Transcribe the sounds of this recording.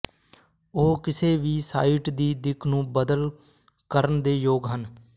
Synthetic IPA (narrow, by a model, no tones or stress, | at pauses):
oːkɪseːʋiːsaːiːʈd̪iːd̪ɪkʰnũːbəd̪əl | kəɾənd̪eːjoːɡɦən